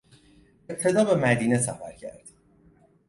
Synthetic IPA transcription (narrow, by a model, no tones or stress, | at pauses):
eb̚t̪ʰe̞d̪ɒːbe̞mæd̪iːne̞sæfæɾcʰæ̰ɾd̪̥